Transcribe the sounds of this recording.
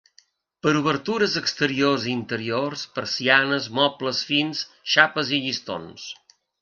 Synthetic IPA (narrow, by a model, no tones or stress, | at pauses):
pəɾuβəɾt̪uɾəzəkst̪əɾiorziːnt̪əɾiorspəɾsianəzmɔpləsfins | ʃapəziʎist̪o̰ns